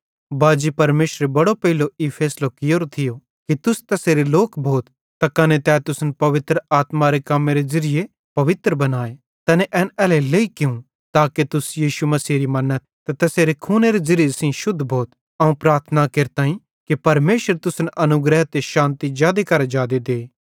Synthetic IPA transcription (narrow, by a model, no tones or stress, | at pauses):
baːd͡ʒipɐɾmeːʃɾebɐɽopɐɦɪloipʰɛːslokɪjoːɾot̪ʰɪjo | kit̪ʊst̪ɐseːɾeloːkbʱoːt̪ː | akɐnet̪ɛːt̪ʊsnpɐʋɪt̪ɾəaːt̪maɾekɐmeɾezɐɾɪje | pɐʋɪt̪ɾəbɐnaːe | t̪ɛneʔɛːnɛːleleikɪũ | t̪aːkit̪ʊsjiːʃumɐsiːɾimɐnːət̪t̪ːɛt̪ɐseːɾekʰuːneɾezɐɾɪjesĩʃʊd̪ʱːbʱoːt̪ | ɐũpɾaːɾt̪ʰənakeːɾt̪aːĩ | kipɐɾmeːʃəɾt̪ʊsnʔɐnʊɡɾɛɦt̪eʃãːnt̪id͡ʒaːd̪ekɐɾad͡ʒaːd̪ed̪eː